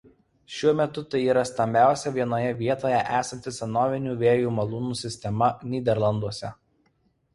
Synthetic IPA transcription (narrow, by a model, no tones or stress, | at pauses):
ʃʲuɔmʲɛt̪ʊt̪ɐɪiːɾɐst̪ɐmʲbʲæˑʊsʲɛʋʲiɛnoːjɛʋʲiɛt̪oːjɛʔæːsɐnʲt̪ʲɪsʲɛnoːʋʲɪnʲuːʋʲeːjuːmɐlˠuːnuːsʲɪsʲt̪ʲɛmɐnʲiːd̪ʲɛɾlˠɐnd̪uɔsʲɛ